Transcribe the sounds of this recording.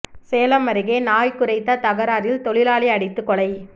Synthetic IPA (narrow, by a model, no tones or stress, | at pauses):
seːlɐmːɐɾɪɣeːnaːjkʊɾɐɪt̪ːɐt̪ɐɣɐɾaːɾɪlt̪ɔɭɪlaːliɐɽɪt̪ːɯkːɔɭɐɪ